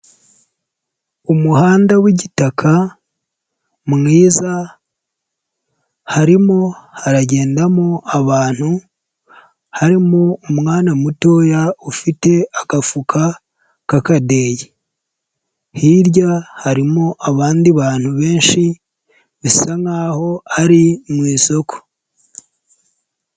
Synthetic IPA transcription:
umuhaːndawiɟitakʰa | mŋiːza | haɾimo̞haɾaɟe̞ːndamoaβaːn̥hu | haɾimoumŋaːnamuto̞ːjaufite̞akafukʰa | kakade̞ːje | hiɾɟahaɾimoʔaβaːndiβaːn̥huβe̞ːnʃi | βisaŋaːho̞aɾimwiːso̞ko̥

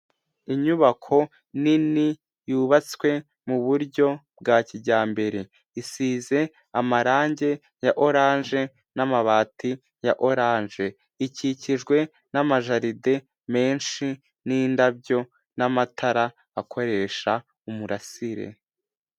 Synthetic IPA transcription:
iɲuβakʰo̞ | nini | juːβat͡swe̞ | muβuɾɟo̞bɡaːciɟaːmbe̞ɾe̞ | isiːze̞ | amaɾaːɲɟe̞ | jaʔo̞ɾaːnʒe̞ | namaβaːti | jaʔo̞ɾaːnʒe̞ | iciciʒɡwe̞ | namaʒaɾide̞ | me̞ːnʃi | niːndabɟo̞ | namatʰaɾaː | kʰo̞ɾe̞ːʃa | umuɾasiɾḛ

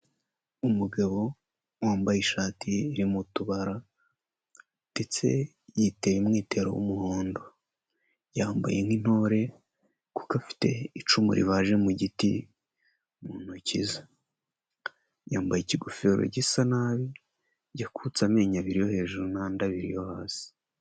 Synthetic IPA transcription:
umuɡaβo̞ | waːmbajiʃaːtʰiːɾimutuβaɾa | d̥et͡se̞̰ | jiteβimŋiːte̞ɾo̰wṵmuhoːndo̞ | jaːmba̰jeŋin̥ho̞ɾe̞ | ku̥kafi̥te̞it͡ʃumṵɾḭβaʒe̞muɟitḭ | muːn̥huciza | jaːmbajiciɡufeːɾo̰ɟisanaβi | ɟakʰut͡same̞ːɲaβiɾijo̞he̞ːʒuɾunandaβiɾḭjo̞haːsi̥

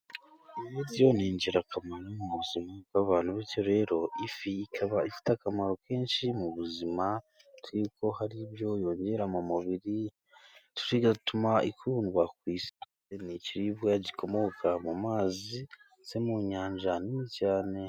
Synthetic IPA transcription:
imiɾo̞niːɲɟiɾakamaɾomuβuzimakaβaːnhuβijo̞ɾe̞ːɾo̞ifiːkʰaβaifi̥takamaɾo̞ke̞ːnʃimuβuzima | tuɾiko̞haɾiβjo̞jo̞ːɲɟe̞ɾamumuβiɾi | tu̥ɾiɡatumaikunuβakwiːse̥t | eniciɾiβɡaɟikʰo̞mo̞kamumaːzi | se̞muɲaːɲʒaniicaːne̞

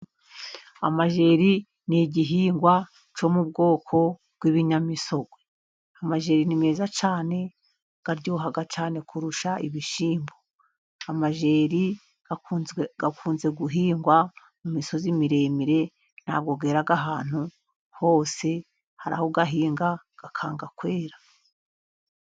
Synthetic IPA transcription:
a̰maʒe̞ːɾi | niɟiɦiːŋɡwa | t͡ʃo̞mub̚ɡo̞ːkʰo̞ | b̥̚ɡwiβiɲamiso̞ɡwe | amaʒe̞ːɾinime̞ːzat͡ʃaːne̞ | ɡ̥aɾɟoːɦaɡat͡ʃaːne̞kʰuɾuʃaʔiβiʃiːmbo | amaʒeːɾi | ɡ̥akʰuːnze̞ɡuɦiːŋɡwa | mumiso̞zimiɾe̞miɾe̞ | n̥ha̰ːb̚ɡo̞ɡe̞ːɾaɡaɦaːn̥hu | ho̞ːse̞ | haɾa̰hoɡaɦiːŋɡa | ɡ̥akʰaːŋɡakwe̞ːɾḁ

